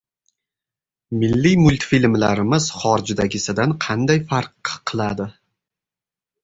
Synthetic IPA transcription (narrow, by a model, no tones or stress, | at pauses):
mɪlːijmʊlʲt̪filmlaɾɪmɪz̥χɒɾd͡ʒd̪aɡʲɪsɪd̪anqʰɑnd̪ajfaɾqʰːɨlˠad̪ɪ